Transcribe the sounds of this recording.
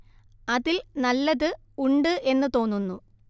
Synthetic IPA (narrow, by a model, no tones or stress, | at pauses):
ɐðilnɐlːɐðɨ | uɳɖɨʔe̞nːɨt̪o̞ːnːunːu